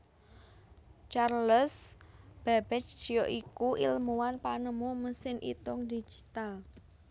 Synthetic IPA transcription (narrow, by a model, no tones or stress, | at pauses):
t͡ʃarləsb̥ab̥ɛt͡ʃʒ̥i̤joʔikuʔḭlmuwanpanəmuməsɪnʔḭt̪ʊŋd̪id͡ʒ̥i̥t̪al